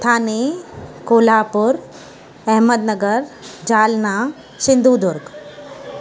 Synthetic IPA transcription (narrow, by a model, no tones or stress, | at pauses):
t̪ʰaːnekoːlaːpʊɾ | ɛɦməd̪nɐɡəɾd͡ʑaːlnaː | sɪ̃nd̪ʱuːd̪ʊɾɡ